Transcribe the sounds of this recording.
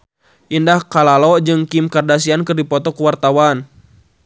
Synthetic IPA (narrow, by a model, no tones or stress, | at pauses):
ʔindahkalalɔd͡ʒɨŋkimkardas̬iankɨrdipɔt̪ɔkuwart̪awan